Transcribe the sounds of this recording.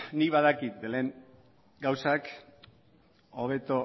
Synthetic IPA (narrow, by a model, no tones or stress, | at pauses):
niβaðakit̪̚d̪ele̞ːŋ | ɡawsak | oβe̞t̪o